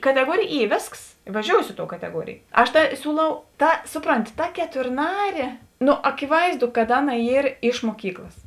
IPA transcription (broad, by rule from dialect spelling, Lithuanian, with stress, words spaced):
kɐtʲɛˈɡuɔrʲeːj ˈiː ˈʋʲeːsks ɪ ʋɐˈʒʲoːʊsʲɪ ˈɪ ˌtoːʊ kɐtʲɛˈɡuɔrʲeːj ˈɐʃ tɑː ˈsʲuːˌlˠɐʊ ˈtɐ ˈsʊˌproːnʲtʲɪ tɐ kʲɛtʊrˈnɑːrʲeː nʊ ɐkʲɪˈʋɐɪzˌdʊ kɐt ˈɑːˌnɐ ˈiːr ɪʃ muɔˈkʲiːklˠɐs